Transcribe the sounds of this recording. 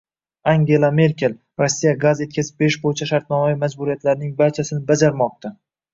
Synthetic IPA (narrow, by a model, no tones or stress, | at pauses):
aŋɡʲe̞lˠame̞ɾkʲe̞l | ɾosːijaɡazjet̪kʲʰazɪp̚be̞ɪʃbojɪt͡ʃʰaʃaɾt̪̚nɒmavimad͡ʒbuɾijat̪laɾnɪŋbaɾt͡ʃʰasɪnɪbad͡ʒaɾmɒq̚t̪ʰa